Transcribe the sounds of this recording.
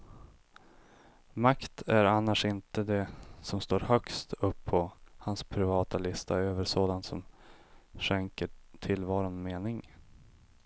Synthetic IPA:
makt̪ʰæɾanːaʂɪnt̪əd̪ɛsɔmst̪oːɾhœkst̪ʰɵpʰːɔhanspʰɾɪvɑːt̪alɪst̪ʰa̰øːvəʂoːd̪ant̪sɔm | ʂɛŋkəʈʰɪlvɑːɾʊnmeːnɪŋ

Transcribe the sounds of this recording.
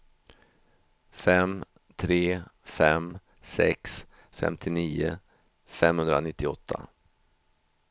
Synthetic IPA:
fɛm | t̪ʰɾeːfɛm | sɛks | fɛ̰mt̪ʰɪniːʊ̰ | fɛmhɵnd̪ɾanɪt̪ʰːɪɔt̪ʰːa̰

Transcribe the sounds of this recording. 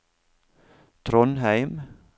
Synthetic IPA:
t̪ʰɾɔnhæɪm

